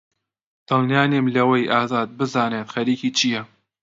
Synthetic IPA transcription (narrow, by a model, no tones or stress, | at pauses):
d̪̥ɨlˠnjaːneːmlɐwɐjʔaːzaːd̪̚bɨzaːneːt̪xɐɾiːkiːt͡ʃʰijɛ